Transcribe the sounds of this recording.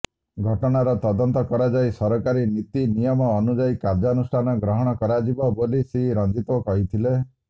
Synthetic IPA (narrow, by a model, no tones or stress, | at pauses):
ɡʱɔʈɔɽ̃aɾɔt̪ɔd̪ɔnt̪ɔkɔɾad͡ʒaisɔɾɔkaɾinit̪inijɔmɔːnud͡ʒaikaɾd͡ʒɔnusʈʰanɔɡɾɔɦɔɽ̃ɔkɔɾad͡ʒibɔbolisiiɾɔnd͡ʒit̪okɔɦit̪ʰile